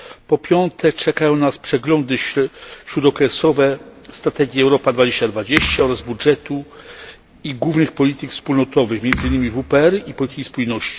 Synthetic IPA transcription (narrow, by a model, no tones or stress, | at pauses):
pɔpʲjɔnt̪ʰɛt͡ʂɛkajɔ̃w̃naspʂɛɡlɔnd̪ɘɕɾud̪ɔkɾɛsɔvɛst̪ɾat̪ɛɡʲjɛɛwɾɔpad̪vad͡ʑeɕt͡ɕad̪vad͡ʑeɕt͡ɕaɔɾazbudʐɛt̪u | iɡwuvnɘxpɔlʲit̪ɘkfspulnɔt̪ɔvɘxmʲjɛnd̪zɘɲːimʲivupɛɛɾipɔlʲit̪ɘ̥kʲispujnɔɕt͡ɕi̥